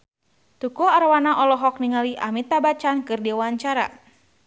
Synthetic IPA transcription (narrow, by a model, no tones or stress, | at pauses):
t̪ukɔaɾwanaʔɔlɔɦɔk̚niŋaliʔa̰mit̪abat͡ʃankɨrdiwaɲt͡ʃaɾa̰